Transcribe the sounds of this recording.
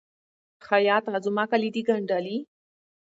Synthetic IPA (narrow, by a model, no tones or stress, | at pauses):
xajɑt̪azumakalid̪iɡaɳɖali